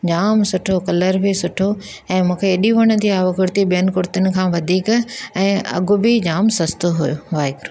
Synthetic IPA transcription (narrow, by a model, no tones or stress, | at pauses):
d͡ʑaːmsʊʈʰokɐləɾbʱɪsʊʈʰo | ɛ̃ːmũːkʰeːɗiʋɐɽ̃ə̆t̪iaːʋəɡʊɾt̪iɓijənɪ̆kʊɾt̪ənɪ̆kʰãːʋɐd̪ʱiːkɛ̃ːɐ̰ɡʊbɪd͡ʑaːmsɐst̪oɦujo̰ʋaːɪkɾu